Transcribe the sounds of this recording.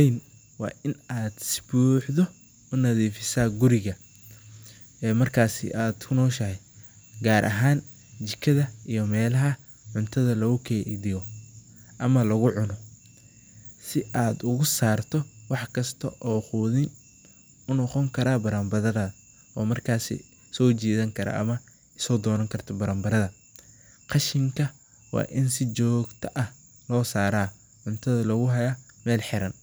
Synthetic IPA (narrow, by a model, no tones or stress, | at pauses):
jn | wɑ̰ːʔɪnaːd̪̥sɪ̥buːħðɔ | ʊnɐðiːfɪsaːɡʊɾɪɣɐ | ɛːmɐrkʰaːsɪ̰ʔaːd̪kʰʊnɔːʃɐɦɛ | ɡaːɾʔɐ̰ɦaːn | t͡ʃɪkʰɐðɐijɔmɛːlɐɦɐ | ʕʊnt̪ʰɐðɐlɐɣʊkʰɛːʔðɪjɔ | ʔɐmɐlɐɣʊʕʊnɔ | sɪʔaːd̪ʊɣʊsaːrt̪ʰɔwɑħkʰɐst̪ʰɐ̰ʔɔːχuðɪn | ʊnɔqɔŋkʰɐɾaːbɐɾambɐðɐðɐ | ʔɔːmɐrkʰaːsɪ̰ | sɔːt͡ʃiːðɐŋkʰɐɾɐ̰ʔɐ̰mɐ | sɔːd̪ɔːnɐŋkʰɐrt̪ʰɔbɐɾɐːmbɐɾɐðɐ | qɑʃɪŋkʰɐ | wɑ̰ːʔɪnsɪt͡ʃɔːɡt̪ʰɐʔɐh | lɔːsaːɾaː | ʕʊnt̪ʰɐðɐlɐɣʊɦɐja | mɛːlħɪɾɐn